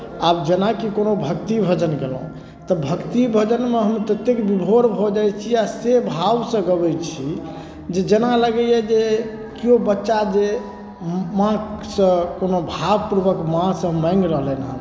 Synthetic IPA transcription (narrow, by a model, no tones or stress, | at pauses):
abd͡ʒenakikonobʱəkt̪ibʱəd͡ʒənɡelṵ̃ | t̪əbʱəkt̪ibʱəd͡ʒənmeɦəmt̪ət̪ːekbibʱoɾbʱɔd͡ʒajt͡ʃʰiasebʱawsə̃ɡəbɛjt͡ʃʰi | d͡ʒed͡ʒenaləɡɛjɛd͡ʒe | kiobətːʃad͡ʒe | mãsə̃konobʱabpuɾbəkmãsə̃ɦəmːaɪŋɡɾəɦlenɦa̰